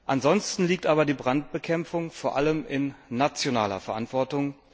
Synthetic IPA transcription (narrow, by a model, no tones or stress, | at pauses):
ʔanzɔnstn̩liːk̚tʔaːbɐdiːbʁant̚b̥əkʰɛmp͡fʊŋfoːɐʔaləmɪnːat͡sjona̰ːlɐ̰fɛɐʔantv̥ɔɐtʊŋ